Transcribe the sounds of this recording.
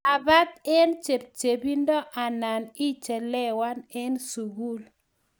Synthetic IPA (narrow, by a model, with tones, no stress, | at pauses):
a˨ba˦t̪̚ɛ˦nt͡ʃe˨p̚t͡ʃe˨bi˦ndɔ˦ʔa˨na˨ni˦t͡ʃɛ˨lɛ˦wa˦nɛ˦nsu˨ɡu˦l